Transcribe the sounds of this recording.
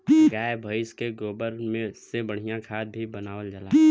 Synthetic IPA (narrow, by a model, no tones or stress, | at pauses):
ɡaːjbʱəɪskeɡoːbəɾmẽsebəɽ̤ijãkʰaːd̪̚bʱibənaːwəld͡ʒəlaː